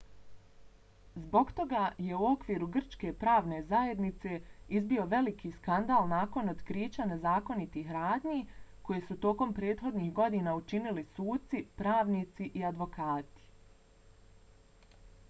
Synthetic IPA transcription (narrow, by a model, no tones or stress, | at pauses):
zbo̞ɡt̪o̞ɡaje̞uo̞kʋiːɾuɡr̩t͡ʃke̞pɾaːʋne̞zaje̞d̪nit̪se̞izbio̞ʋe̞likiskand̪aːlˠnaːko̞nod̪kɾiːt͡ɕane̞zaːko̞nit̪iːɦɾaːd̪ɲiko̞jesut̪o̞ko̞mpɾe̞ːt̪xo̞d̪niːhɡo̞d̪iːnaut͡ʃinilisuːd̪̚t̪sipɾaːʋniːt̪siʔiad̪ʋo̞kaːt̪i̥